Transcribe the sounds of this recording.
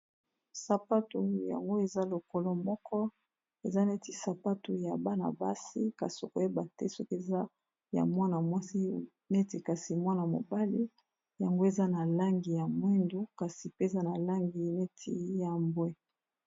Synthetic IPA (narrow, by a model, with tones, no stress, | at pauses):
sa˨pa˦to˨ja̰˨ŋɡo˦e˨za˦lo˨ko˦lɔ˦mɔ˦kɔ˦ | e˨za˦ne˦ti˨sa˨pa˦to˨ja˨ba˦na̰˨ba̰˦si˦ka̰˨so˨ko˨˦je˦ba˨tɛ˦sɔ˦ke˨za˦ | ja̰˨mwa˦na˨mwa˦si˦ | ne˦ti˨ka˨si˨mwa˦na˨mo̰˨ba˦li˦ | ja˨ŋɡo˦e˨za˦na˨la˦ŋɡi˨ja˨mwɛ˦ndo˦ka˨si˨pe˦e˨za˦na˨la˦ŋɡi˨ne˦tʰḭ˦ja˨mbwɛ˦